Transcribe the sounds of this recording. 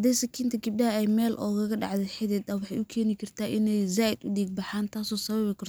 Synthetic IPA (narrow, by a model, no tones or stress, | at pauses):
ɐd̪ɛːsɐkʰiːnt̪ʰɐɡɪb̚ɖɐhɐɛjmɛːlʔɔːɣɐɣɐɖɑ̰ʕd̪ɛħɛðɛːd̪ɐwɑħɑjʔʊkʰɛːnɪkʰɐrt̪ʰaːʔɪnɛjzaːʔɪd̪ʊɖiːɡ̚bɑħaːnt̪ʰaːsɔːsɐβɐβɪkʰɐrt̪ʰ